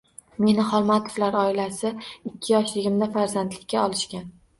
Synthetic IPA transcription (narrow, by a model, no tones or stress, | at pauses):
me̞nɪχɒlˠmat̪ʰo̥flaɾɒɪlasɪɪkʲʰːɪjɒʃlɪɡʲɪmd̪afaɾzant̪lɪkʲːaɒlɪʃkʲan